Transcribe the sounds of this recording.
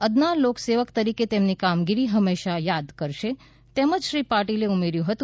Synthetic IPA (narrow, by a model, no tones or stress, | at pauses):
əd̪nalokseʋəkt̪əɾiket̪emnikamɡiɾiɦəmeʃajad̪kəɾʃe | t̪eməd͡ʒʃɾipaʈileumeɾjũɦət̪ũ